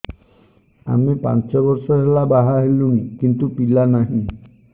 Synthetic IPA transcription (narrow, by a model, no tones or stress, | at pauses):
a̰mipa̰nt͡ʃɔbɔɾsɔɦelabaɦaɦelunikint̪upilanaɦĩ